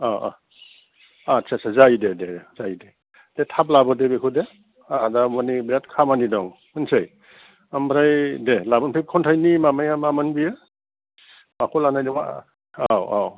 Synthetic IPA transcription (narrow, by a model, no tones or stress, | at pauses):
aʔa̰ | atsʰasazajdedez̥ajde | d̥etʰap̚labɔdebekʰude | adamɔnibɾet̚kʰamanidɔŋ | ɯnsɯj | ambɾajdelabɔnpʰep̚kʰɔntʰajnimamajamamanbiɯ | makʰɔlanajdɔŋa | awaw